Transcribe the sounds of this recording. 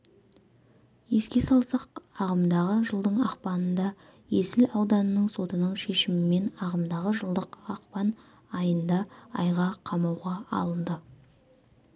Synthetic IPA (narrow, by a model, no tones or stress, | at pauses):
je̞skʲe̞sɑlˠsɑqɑʁəmd̪ɑʁəʒəlˠd̪əɴɑqpɑnənd̪ɑ | je̞sɪlɑwd̪ɑnənəɴso̞t̪ənəɴʃe̞ʃɪmɪme̞nɑʁəmd̪ɑʁəʒəlˠd̪əqɑqpɑn | ɑjənd̪ɑɑjʁɑqʰɑmɑwʁɑɑ̰lˠənd̪ə